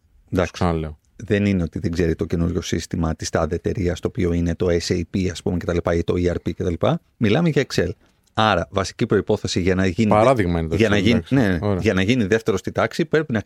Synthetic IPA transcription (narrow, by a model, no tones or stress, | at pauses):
d̪ɐksleo | ðe̞nineo̞t̪iðeɡze̞ɾit̪o̞cenuɾʝo̞sḭst̪imɐt̪ist̪ɐðet̪e̞ɾiɐst̪oːpio̞ine̞t̪o̞esejpiɐspumece̞t̪ɐlipɐit̪o̞iɐɾpice̞t̪ɐlipɐ | milɐmeʝɐekse̞l | ɐɾɐvɐsi̥cipɾo̞ipo̞θe̞siʝɐnɐʝiniɐɾɐðiɣmɐinet̪ɐnɐiksneneɾʝɐnɐʝiniðe̞ft̪e̞ɾo̞st̪id̪ɐksipɾe̞pinɐ